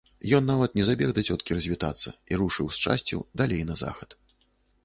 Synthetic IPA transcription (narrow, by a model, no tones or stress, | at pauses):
jɔnːavɐt̪nʲɛzabʲɛɣd̪ɐt͡sʲɔt̪̚kʲiɾɐzʲvʲit̪at̪sːɐ̰iɾuʂɨwst͡ʂa̰sʲt͡sʲɛ̰d̪alʲejnɐza̰xɐt̪